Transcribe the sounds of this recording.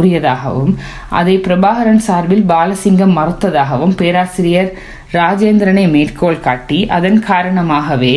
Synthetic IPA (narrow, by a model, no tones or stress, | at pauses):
ɾɪjɐðaːɣɐ̰ʋɯm | ʔɐ̰ðɐɪpɪɾɐbaːɣɐɾɐnsaːɾʋɪlbaːlɐsɪŋɡɐmːɐɾɯt̪ːɐðaːɣɐʋɯmpeːɾaːsɪɾɪjɐɾ | ɾaːd͡ʒeːnd̪ɾɐnɐɪmeːrkʰoːɭkaːʈːiʔɐðɐnkʰaːɾɐɳɐmaːɣɐʋeː